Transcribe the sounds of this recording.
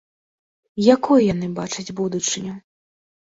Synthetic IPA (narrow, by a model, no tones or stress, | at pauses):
jakɔjjan̪ɨbat͡ʂɐd͡zʲbud̪ut͡ʂɨnʲɐ